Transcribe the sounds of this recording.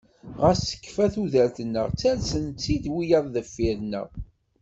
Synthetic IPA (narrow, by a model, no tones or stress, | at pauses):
ʁəsə̥kːfæθuðəɾθənːə̰ʁt͡sːælsənt͡sːid̪wijəðˤðəfːiɾnə̰ʁ